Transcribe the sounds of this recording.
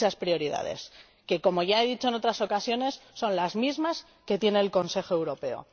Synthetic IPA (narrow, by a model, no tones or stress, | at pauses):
aspɾio̞ɾiða̰ðe̞̰s | ke̞ko̞mo̞ʝae̞ðit͡ʃo̞e̞no̞t̪ɾaso̞kasjo̞ne̞sːo̞nlazmizmas | ke̞t̪je̞ne̞ːlko̞nse̞xo̞e̞wɾo̞pe̞o̰